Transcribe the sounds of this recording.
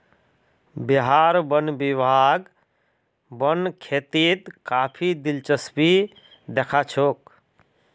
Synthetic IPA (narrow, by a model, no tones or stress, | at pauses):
biɦaɾbənbibaɡ | bənkʰet̪it̪kapʰid̪ilt͡ʃəsbi | d̪ekʰat͡ʃʰoːk